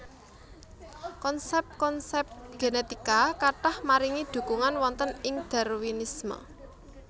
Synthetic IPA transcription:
kɔnsɛp̚kɔnsɛp̚ɡ̥enet̪ikakaʈahmaɾiŋid̪̥ṳkuŋanwɔnt̪ənɪŋd̪̥ɛɾwinismə̰

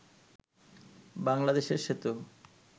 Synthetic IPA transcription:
baŋlad̪eʃeɾʃet̪u

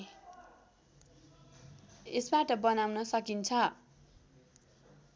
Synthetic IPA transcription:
esbaʈʌbʌnawnʌsʌkint͡sʰʌ

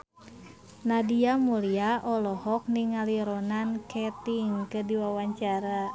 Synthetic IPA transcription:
nadiamuliaʔɔlɔhɔk̚niŋaliɾɔnankɛt̪iŋkɨdiwawaɲt͡ʃaɾa

